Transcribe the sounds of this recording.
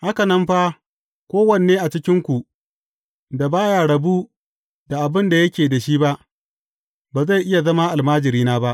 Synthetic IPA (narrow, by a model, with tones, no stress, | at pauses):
ha˦ka˨nɐ˦mɸa˦ | kʷoː˦wɐ˦˨ne˨eː˦ʔa˨t͡ʃɪ˦kʲɪ˦ŋkʷu˨ | da˨baː˦jaː˨ɽɐ˨bu˦ | da˨ʔa˨bɪ˦nda˨jɐ˦kʲeː˨da˨ʃiː˦ba˦ʔ | baː˨za˦˨jʔɪ˦ja˨zɐ˦ma˦ʔa˨lmaː˦d͡ʒɪ˨ɾiː˦naː˦ba˦ʔ